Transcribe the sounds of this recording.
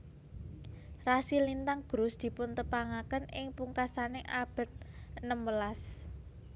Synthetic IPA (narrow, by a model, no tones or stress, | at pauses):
rasilint̪aŋɡ̥ɾʊsd̪̥i̤pʊnt̪əpaŋakənɪŋpuŋkasanɪʔab̥ə̤t̪̚nəmwəlas